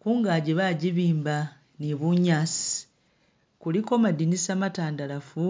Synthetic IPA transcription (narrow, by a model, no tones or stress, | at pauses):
kuːŋɡaːɟeβaɟiβiːmba | neβuɲasi̥ | kuliko̞madinisamataːndalafu